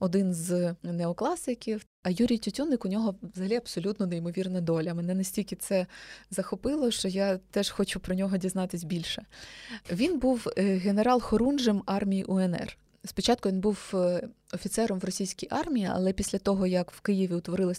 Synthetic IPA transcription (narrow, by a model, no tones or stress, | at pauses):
ɔd̪ɪnznɛɔklˠɑsɪkʲiw | ɐjuɾʲijtʲʊtʲunːɪkʊnʲɔɦɔʋzɐɦɐlʲiɐbsɔlʲut̪nɔnejmɔʋʲirnɐd̪ɔlʲɐmenɛnɐsʲtʲilʲkʲɪt̪sɛzɐxɔpɪlˠɔʃt͡ʃɔjat̪ɛʃxɔt͡ʃʊpɾɔnʲɔɦɔdʲiznɑt̪ɪsʲbʲilʲʃɛ | ʋʲinbuwɦeneɾɑlˠxɔɾunʒɪmɑrmʲijiʔʊɛnɛ̰r | spʲit͡ʃɑt̪kʊʋʲinbuw | ɔfʲit̪sɛɾɔmʋrɔsʲijsʲkʲijʔɑrmʲijiɐ̰lˠɛpʲisʲlʲɐt̪ɔɦɔjɐkw̥kɪjiʋʲiʊt̪ʋɔɾɪlˠɐsʲ